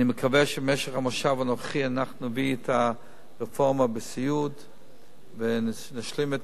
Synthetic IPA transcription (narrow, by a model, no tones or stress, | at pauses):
nimekʰaveʃemeʃeχamoʃavanoχχianaχnuuvietʰa | ʁefoʁmabesijud | ve | naʃlimet